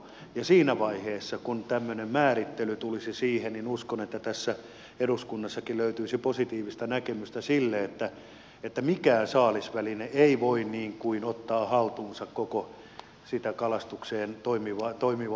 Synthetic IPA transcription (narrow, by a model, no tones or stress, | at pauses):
jɑsiːnæʋɑiheːsːɑkunt̪æmːønemmæːrit̪ːelyt̪ulisisiːhenninuskonet̪ːæt̪æsːæ | eruskunːɑsːɑkiløyt̪yisiposit̪iːʋist̪ɑnækemyst̪æsilːeet̪ːæ | et̪ːæmikæːsɑːlisʋælineeiʋoinniːŋkuinot̪ːɑːhɑlt̪uːnsɑkkoko | sit̪ækɑlɑst̪ukseːnt̪oimiʋɑt̪oimiʋ